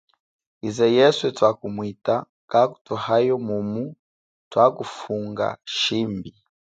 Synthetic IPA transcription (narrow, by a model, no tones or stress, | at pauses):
izɛjɛswɛtwakumwita | kaku̥tuhajɔmumu | twakufuŋɡa̰ʃimbi